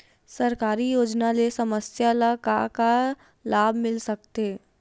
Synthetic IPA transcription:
sɐɾkaːɾijoːd͡ʒnalesɐməsjalakaka | laːbʱmɪlsɐk̚t̪eː

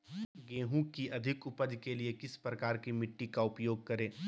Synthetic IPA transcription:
ɡẽːɦũkiʔɐd̪ʱɪkʊpəd͡ʒkeliekɪspɾɐkaːɾkimɪʈːikaʊpjoːɡ̚kɐɾẽː

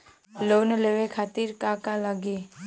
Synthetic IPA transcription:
loːneleʋekʰaːt̪iɾkakaləɡe

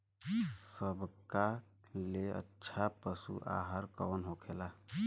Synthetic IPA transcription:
səbʱka | leə̰tːʃʰapəsṵʔa̰ːɦəɾkɔːnɦokʰeːla

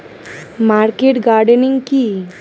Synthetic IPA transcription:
maɾkeʈɡaɾɖənĩŋɡki

